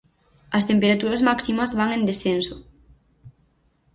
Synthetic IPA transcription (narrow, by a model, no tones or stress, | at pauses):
ɐst̪empeɾat̪uɾazmaksimɐzβaŋend̪esθenso̥